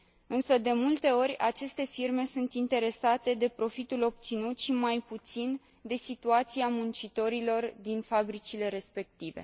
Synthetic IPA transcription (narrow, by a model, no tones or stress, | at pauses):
ɨnsəd̪e̞mult̪e̞o̞rʲat͡ʃe̞st̪e̞firme̞sunt̪int̪e̞ɾe̞sat̪e̞d̪e̞pɾo̞fit̪ulo̞b̚t̪sinut̪ʃimajput̪sin | d̪e̞sit̪uat̪siamunt͡ʃit̪o̞ɾilo̞rd̪infabɾit͡ʃile̞ɾe̞spe̞k̚t̪ive̞̰